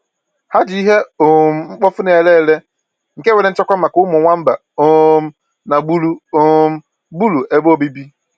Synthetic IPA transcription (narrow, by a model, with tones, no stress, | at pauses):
ha˦d͡ʒi˦ɦe˦o˨m̩˨˦ŋ͡m̩˦k͡pɔ˦fʊ˦ne˨le˦˨le˦ | ŋ̩˨ke˦we˨ɾe˨˦n̩˦t͡ʃa˦kʷa˦ma˨kʊ˦mʊ˨ŋʷa˦m̩˦ba̰˨ | o˦˨m̩˦ | na˨ɡ͡bu˦lu˦o˦m̩˦ | bu˦lu˨e˨bo˦˨bi˦bi˦